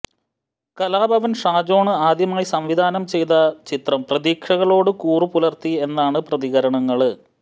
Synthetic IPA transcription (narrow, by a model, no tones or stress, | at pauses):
kɐlaːbʱɐʋɐnʂaːd͡ʑo̞ːɳɨaːd̪jɐmaːjisɐmʋid̪ʱaːnɐmt͡ɕe̞jt̪ɐt͡ɕit̪rɐmprɐðiːkʂɐɣɐɭo̞ːɽɨkuːrɨpulɐrt̪ie̞nːaːɳɨprɐðiɣɐɾɐɳɐŋːɐɭɨ